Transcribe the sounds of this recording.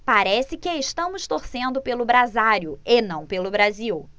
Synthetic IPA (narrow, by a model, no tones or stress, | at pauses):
paɾɛsɪkɪɪʃt̪ɐ̃mʊst̪oɾsẽnd̪ʊpelʊbɾazaɾjʊenɐ̃w̃pelʊbɾaziw